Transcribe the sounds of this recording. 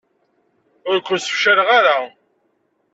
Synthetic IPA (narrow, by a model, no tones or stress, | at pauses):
ʊɾkʷːʊnsə̥fʃæɾəʁaɾa